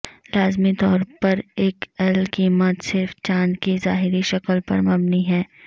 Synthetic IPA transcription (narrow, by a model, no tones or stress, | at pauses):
laːzmit̪ɔːɾpɐɾeːkɛlkiːmət̪sɪɾft͡ʃãːnd͡ʒkizaːɦɪɾiʃɐkəlpɐ̰ɾmɐbniɦɛː